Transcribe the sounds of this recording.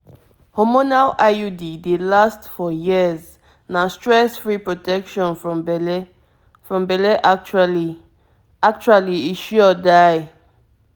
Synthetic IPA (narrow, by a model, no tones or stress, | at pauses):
hɔmonalʔaudidelastfɔjiz | nastɹɛsfɹipɹɔtɛkʃɔ̃nf | fɹɔ̃mbɛlɛʔat͡ʃali | ak̚t͡ʃualiiʃɔdaj